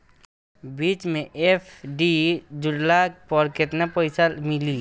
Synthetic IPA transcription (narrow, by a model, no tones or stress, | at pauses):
biːt͡ʃmẽʔepʰɖid͡ʒʊɽlak̚pɔɾkɪt̪napɔɪsalmɪli